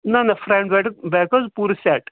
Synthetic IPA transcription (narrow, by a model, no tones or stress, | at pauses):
nanafɾɛ̃ɳɖʋɛʈbɛkəd͡zpuɾsɛʈ